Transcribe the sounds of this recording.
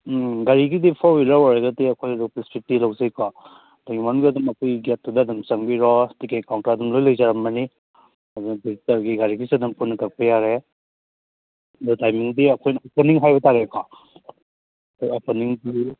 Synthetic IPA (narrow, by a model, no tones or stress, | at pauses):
ɡaɾiɡidipʰɔbilawaɾeɡɐdiɐkʰojɐduk̚pɾispitːilawzajkɔ | taɡimanuɡiɐdumɐkʰojɡet̚ːudɐːdumsɐŋbiɾɔtikekawntaɾɐdumlojlɐjzaɾɐmbɐni | ɐdunbitɐɡiɡaɾiɡisiɐdumpunɐtɐk̚pɐjaɾe | dutajmiŋdiɐkʰojnɐɔpɔniŋɦajbɐtaɾekʰɔ | kʰojɔpɔniŋdi